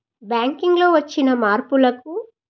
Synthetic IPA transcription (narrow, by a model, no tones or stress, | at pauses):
bjaːŋkiŋɡlo̞ːʋɐt͡ʃːinɐmaːɾpulɐk̚u